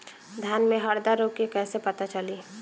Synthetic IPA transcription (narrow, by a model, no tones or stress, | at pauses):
d̪ʱjaːnmẽɦɐɾd̪aɾoːkekɛːsepɐt̪at͡ʃɐli